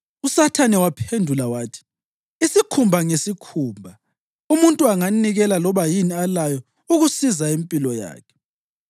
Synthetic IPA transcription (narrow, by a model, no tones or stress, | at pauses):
usatʰanɛwapʰendʱulawaːtʰi̥ | isikʰumbʱaŋesikʰuːmbʱa | umuntʼuaŋaniɣɛlalɔβajinialajɔ | uɣusizaempʼilɔja̰ːkʰɛ̥